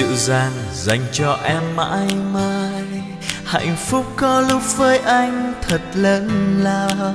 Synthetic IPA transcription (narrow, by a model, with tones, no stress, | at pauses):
ɨ̰˧˨zaː˧n | za˧jŋ̟t͡ɕɔ˧ʔɛ˧mːa̰ː˧˥jmaː˧j | ha̰˧˨jŋ̟fʊ˦˥k͡p̚kɔ˧lʊ˦˥k͡p̚vəː˨˧˦jʔa˧jŋ̟t̪ʰə˨˩t̚ləː˧˦nlaː˨˩